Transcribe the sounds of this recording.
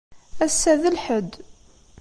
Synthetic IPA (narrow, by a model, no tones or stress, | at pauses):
æsːæðəlħəd̪